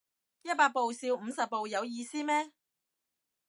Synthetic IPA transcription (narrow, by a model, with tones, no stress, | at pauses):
jɐ˥t̚paː˧t̚po˨˧wsiː˧wm̩˨˧sɐ˨p̚pːo˨˧wjɐ˨˧wjiː˧siː˥mɛː˥